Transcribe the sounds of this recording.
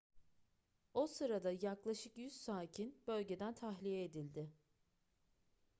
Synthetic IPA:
o̞sɯɾad̪ajaklˠaʃɯkjyzsaːcʰinb̥ø̞lʲɟe̞d̪ænt̪ʰaɦlʲijɛːd̪ilʲd̪ɪ

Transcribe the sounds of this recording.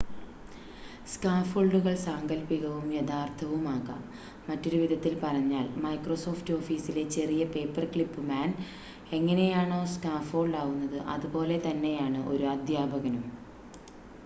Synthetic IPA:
skaːfoːɭɖuɣɐɭsaŋɡɐlpiɣɐʋumjeðaːrt̪ʰɐʋumaːɣa̰ːmː | ɐtːo̞ɾuʋid̪ʱɐt̪ːilpɐrɐɲːaːɭmɐjkroso̞ːfto̞ːfiːsile̞t͡ɕe̞rijɐpe̞ːpːɐrkɭipːɨmaːn | e̞ŋːɐne̞jaːɳoːskaːfo̞ːɳɖaːɣunːɐðɨʔɐ̰ðubo̞ːle̞t̪ɐnːe̞jaːɳɨʔo̞̰ɾuɐd̪ʱjaːbɐɣɐnum

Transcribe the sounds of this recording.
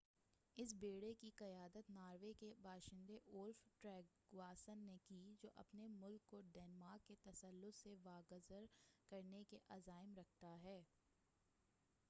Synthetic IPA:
ɪs̬beːɽekiqɐjaːd̪ət̪naːɾʋekebʱaːʃɪ̃nd̪eʔʊlfʈɾɛːɡ | waːsənːekid͡ʒoːʔɐ̰pnemʊlkːoɖɛːnmaːkːet̪ɐsəlːʊt̪seʋaːɡəzəɾkɐɾnekeʔɐzaːɪmɾɐk̚ʰt̪aɦɛː

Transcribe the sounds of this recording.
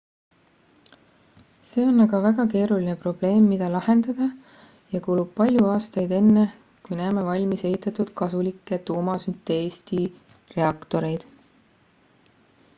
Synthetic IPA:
se̞ːo̞nːɑɡ̥ɑvæɡ̥ɑke̞ːɾuline̞pro̞b̥le̞ːmːid̪̥ɑlɑhe̞nd̪̥ɑd̪̥ɑ | jɑkuːlub̥̚pɑlʲjuɑːst̪ɑjd̪e̞nːe | kujnæːme̞vɑlʲmise̞ɦit̪ːˑɑt̪ːˑud̪̥kɑsulikːˑe̞t̪uːmɑsynt̪ːˑeeːst̪i | re̞ɑkt̪o̞ɾe̞jd̪̥

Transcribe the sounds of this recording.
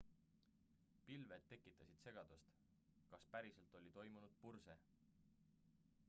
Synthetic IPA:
pilve̞d̪̚ːe̞kːˑit̪ːˑɑsid̪̥se̞ɡ̥ɑd̪̥ust̪ | kɑspæɾise̞lt̪ˑo̞lʲit̪o̞jmunud̪̥̚purse̞

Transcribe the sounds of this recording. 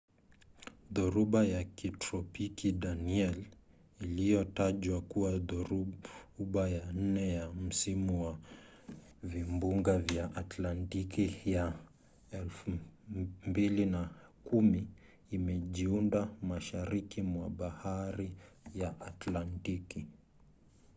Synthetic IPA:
ðuɾuɓajakitɾɔpikiɗaniɛl | ilijɔtaʄwakuwaɾ | ɓajan̩nɛjam̩simuwa | vimbuŋɡavjaʔatlantikija | ɛlfu | mbilinakumiː | mɛʄiundamaʃaɾikimwaɓahaɾi | jaʔatlantiki

